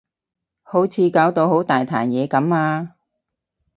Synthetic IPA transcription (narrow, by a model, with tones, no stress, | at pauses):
ho˨˥wt͡sʰiː˨˧kaː˨˥wt̪o˧who˨˥wt̪aː˨jt̪ʰa̰ː˨˩njɛː˨˧kɐ˨˥maː˧